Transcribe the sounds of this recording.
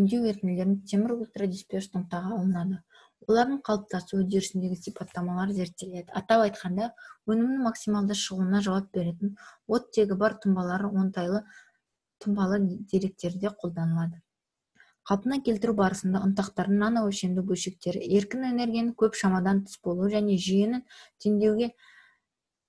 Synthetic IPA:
ɪmd̪e̞we̞ɾkʲɪnle̞ɾɪŋt̪ʰe̞mɪɾulʲt̪rad̪ʲispʲost̪ʰoɴt̪ɑʁɑɑlˠənɑd̪ə | wo̞lˠɑɾd̪əɴqʰɑlˠəp̚t̪ɑsuwɵzd̪e̞ɾɪsɪnd̪e̞ɡʲɪsijpot̪ːɑmɑlˠɑɾəze̞ɾt̪ːe̞le̞d̪ɪɑt̪ɑpɑjt̪qɑnd̪ɑwɵnɪmnɪŋmɑksimɑlˠd̪əʃəʁuənɑʒɑwɑp̚be̞ɾe̞t̪ɪnwo̞t̪ːe̞ɡʲɪbɑɾt̪ʰʊmbɑlˠɑɾəwo̞nt̪ɑjlˠə | t̪ʰʊmbɑlˠəd̪e̞ɾe̞k̚t̪e̞ɾd̪e̞qʰo̞lˠd̪ɑnəlˠɑd̪ə | qʰɑlˠpənɑkʲʰe̞lt̪ɪɾʉbɑɾəsənd̪ɑʔʊnt̪ɑqt̪ɑɾd̪ənɑnɑwɵʃe̞md̪ɪɡʲɵlʃe̞k̚t̪e̞ɾɪ̰e̞ɾkʲɪnene̞ɾɡʲijanɪkʲʰɵpʃɑmɑd̪ɑnt̪ʰʏ̥sbo̞lˠuwəʒæne̞ʒije̞nɪnt̪ʲʰeŋd̪e̞wɡʲe̞

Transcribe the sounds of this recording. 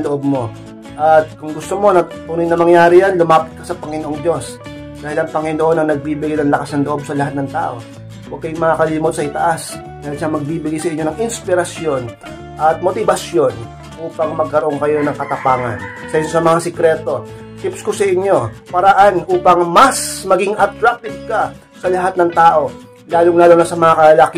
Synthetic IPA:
loʔob̚mo̞ | ʔɐt̪̚kʊŋɡʊst̪o̞mo̞nɐt̪uːnɪjnɐmɐŋjaːɾɪjanlʊmaːpɪ̥t̪̚kɐsɐpɐŋɪnoʔo̞ŋd̪jo̞s | d̪aːhɪlɐŋpɐŋɪnoʔo̞nɐŋnɐɡ̚biːbɪɡajnɐŋlɐkasnɐŋloʔo̞b̚sɐlɐhat̪̚nɐŋt̪a̰ːʔo̞ | wɐɡ̚kɐjʊŋmɐŋakɐliːmot̪̚sɐɪt̪ɐʔas | d̪ajɐnʃamɐɡ̚biːbɪɡajsɐʔɪɲo̞nɐŋʔɪnspɪɾɐsjo̞n | ʔɐt̪̚mo̞t̪ɪbɐsjo̞n | ʔuːpɐŋmɐɡ̚kɐɾoʔo̞ŋkɐjo̞nɐŋkɐt̪ɐpaːŋɐ̰nsɐʔɪɲosɐmɐŋasɛkɾɛt̪o̞ | t̪ɪpskosɐʔɪɲːo̞pɐɾɐʔanʔuːpɐŋmɐsmɐɡiŋʔɐt̪ɾak̚t̪ɪb̚kɐ | sɐlɐɦat̪nɐŋt̪aːʔo̞ | laːlʊŋlaːlonɐsɐmɐŋakɐɐlak

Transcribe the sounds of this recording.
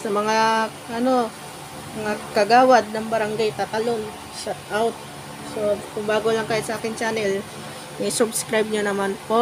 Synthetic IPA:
sɐmɐŋa | ʔɐno̞ | mɐŋakɐɡaːwad̪̚nɐŋbɐɾaŋɡajt̪at̪aloŋ | ʃat̪̚ʔawt̪̚ | sokʊŋbaːɡolaŋkaːjɪt̪sɐʔaːkɪnt͡ʃaːnɛl | mɐsʊbskɾajb̚ɲonɐmanpoʔ

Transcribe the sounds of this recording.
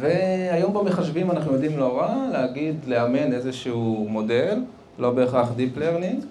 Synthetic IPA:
veajo̞mbameχaʃvimanaχnujod̪imloʁaleaɡidleame̞nezeʃuumo̞de̞l | lo̞be̞ːχaχd̪ipleʁnit

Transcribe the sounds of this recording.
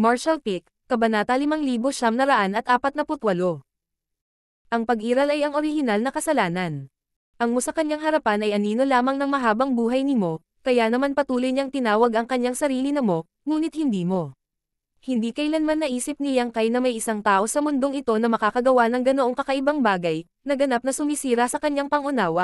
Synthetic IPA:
maɹʃɐlpikːɐbɐnaːt̪ɐlɪmaŋliːboʃamnɐɾɐʔanɐt̪ʔaːpɐt̪̚nɐpʊt̪wɐlo̞ | ʔɐŋpɐɡʔiːɾɐlɐjɐŋʔo̞ɾɪhɪnalnɐkɐsɐlaːnɐn | ʔɐŋmo̞sɐkɐɲaŋɦɐɾɐpanʔɐjʔɐniːno̞laːmɐŋnɐŋmɐɦaːbɐŋbuːɦɐjnɪmo̞ | kɐjanɐmanpɐt̪uːlojɲaŋt̪ɪnaːwɐɡɐŋkɐɲːaŋsɐɾiːlɪnɐmo̞ | ŋuːnɪt̪̚hɪnd̪iːmo̞ | hɪnd̪iːkɐjlanmanːɐʔiːsɪp̚nɪjɐŋkajnɐmɐjʔɪsaŋt̪aːʔo̞sɐmʊnd̪o̞ŋɪt̪o̞nɐmɐkaːkɐɡɐwanɐŋɡɐnoʔoŋkɐkɐʔɪbaŋbaːɡɐj | nɐɡɐnap̚nɐsʊmisiːɾɐsɐkɐɲːaŋpɐŋʔʊnaːwɐ

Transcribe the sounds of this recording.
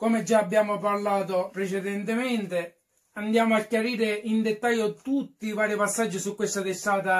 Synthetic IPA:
kɔmed͡ʒːaːbːjaːmoparlaːt̪opɾet͡ʃɛd̪ɛnt̪ɪmɛnt̪e | and̪jaːmoakːjaɾiːɾɪind̪ɛt̪ːajːot̪ut̪ːivaːɾɪpasːad͡ʒːɪsukːwest̪at̪esːaːt̪a

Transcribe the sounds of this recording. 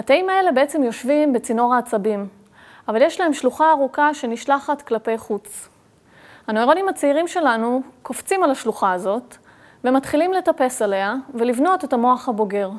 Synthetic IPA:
hat̪aimae̞le̞beet͡semjo̞ʃvimbet͡sino̞ʁaːt͡sabim | avaljeʃlae̞mʃluχaːʁukaʃe̞niʃlaχatklape̞jχut͡s | hanoiʁonimat͡seiʁimʃe̞lanuko̞ft͡simalaʃluχaːzo̞t | vematχilimle̞tape̞sale̞avelivno̞tetamo̞aχhabo̞ɡe̞ʁ

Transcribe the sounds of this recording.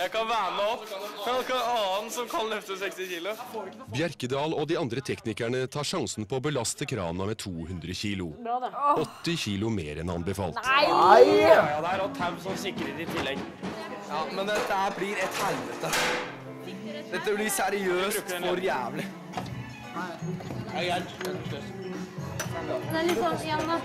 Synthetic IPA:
jæɪkɑnʋæːɾmɛɔpːɑkɑɑːnsɔmkʰɑnlœft̪əsɛkst̪ɪçiːlʊ | bjæɾkəd̪ɑːlɔd̪iɑnd̪ɾət̪ʰɛknɪkæɳət̪ʰɑːʂɑŋsn̩pʰɔɔbəlɑst̪əkʰɾɑ̰ːʋnɑmɛt̪ʰuːhʉnd̪ɾəçiːlʊ | ɔt̪ːɪçiːlʊmeːɾɛnɑ̰nbəfɑ̰ːlt̪ | d̪ɛæɾɑt̪ʰæmsɔnsɪkːəɾeːt̪ɪt̪ʰɪlːɛɡ | jɑːmɛnd̪ɛt̪ːəhæblɪɾɛt̪hɛlʋət̪ə | d̪ɛt̪ːəblɪsæɾɪøːstɔɾjæːʋlɪ | d̪ælɪ

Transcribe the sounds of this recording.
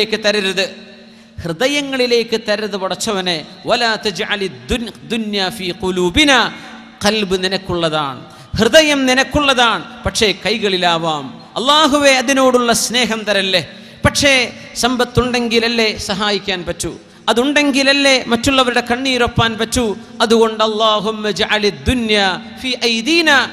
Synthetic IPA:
kːɨt̪ɐɾɐɾɐðɨ | hrɨðɐjɐŋːɐɭile̞ːkːɨt̪ɐɾɐɾɐðɨʋɐɽɐt͡ɕːɐʋɐneʋɐlaːt̪ɐd͡ʒʕalɐd̪ːunjaːfiːquluːbinaː | qɐlbɨninɐkːuɭːɐða̰ːɳɨ | hrɨðɐjɐmninɐkːuɭːɐðaːɳɨpɐʈʂe̞kɐjɣɐɭilaːʋaːm | ɐ̰lːaːɦuʋe̞ɐðino̞ːɽuɭːɐsne̞ːɦɐmt̪ɐɾɐlːe | pɐʈʂe | sɐmbɐt̪ːuɳɖe̞ŋɡilɐlːe̞sɐɦaːjikʲːaːnpɐtːṵ | ɐðuɳɖe̞ŋɡilɐlːe̞mɐtːuɭːɐʋɐɾuɽe̞kɐɳːiːɾopːaːnpɐtːu | ɐðuɣo̞ɳɖɐlˠˤːaːɦumːɐd͡ʒʕɐlɐd̪ːunjaː | fiːʔɐjd̪iːnaː

